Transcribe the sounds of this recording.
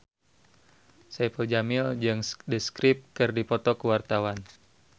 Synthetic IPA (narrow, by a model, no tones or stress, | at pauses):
sapəld͡ʒamɪld͡ʒɨŋsdəskɾɪp̚kɨrdipɔt̪ɔkəwart̪awan